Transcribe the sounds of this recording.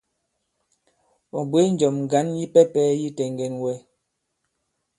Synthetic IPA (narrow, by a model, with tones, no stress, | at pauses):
ɔ˨bwe˦n̩˦d͡ʒɔ˨m˨ɡa˨˦nji˦pɛ˦pɛː˦ji˦tɛ˨ŋɡɛ˨nwɛ˦